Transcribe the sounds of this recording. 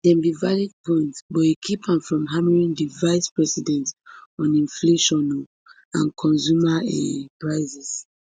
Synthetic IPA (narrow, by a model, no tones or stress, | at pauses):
d̥ɛ̃nbivalid̚pʰɔ̃ɪ̃ntbɔekʰipãmfɹɔ̃mɦaməɹĩŋdivaɪspɹɛsidɛ̃ntɔ̃nĩnfleʃɔ̃no | ãnkʰɔ̃nzumaɛ̰pɹaɪzɛs